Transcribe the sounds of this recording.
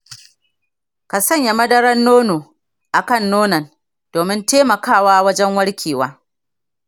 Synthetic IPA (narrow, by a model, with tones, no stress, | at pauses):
ka˨sɐ˦˨ɲja˨mɐ˦dɐ˦ɽɐ˦nːoː˦noː˨ | ʔa˨kɐ˦˨nːoː˦nɐ˨n | d̥oː˨mɪ˦nteː˦mɐ˨kaː˦waː˦wɐ˦d͡ʒɛ˦ŋwɐ˦ɽkʲʰeː˨waː˦